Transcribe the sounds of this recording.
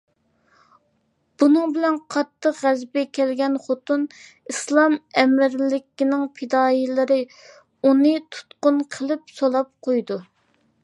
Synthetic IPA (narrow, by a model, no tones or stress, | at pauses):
b̥unɨŋbɪlɛnqʰɑt̪ʰːəqʁæzbɛkʲʰɛlɡʲɛnχot̪un | islˠɑmɛmɪɾlɪkʲinɪŋpʰɪd̪ɑːjilɪɾɪ | unɨt̪ʰu̥t̪qʊnqʰəlˠɨp̚solˠɑp̚qʰojd̪u